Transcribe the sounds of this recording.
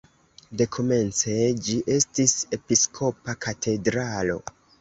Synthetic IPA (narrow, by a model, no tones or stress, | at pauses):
de̞kʰo̞me̞nt͡se̞d͡ʒiʔe̞stisepiskʰo̞pakatʰe̞dɾalo̞̰